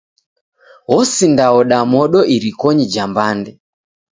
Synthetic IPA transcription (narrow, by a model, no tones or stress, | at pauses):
ɦɔsindaɔɗamɔɗɔʔiɾikɔɲid͡ʒambandɛ